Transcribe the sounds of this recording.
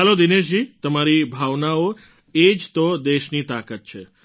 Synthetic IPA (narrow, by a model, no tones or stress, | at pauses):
ɦalod̪ineʃ̬d͡ʒit̪əmaɾibʱaʋnao | ed͡ʒt̪od̪eʃnit̪akət̪̚t͡ʃʰe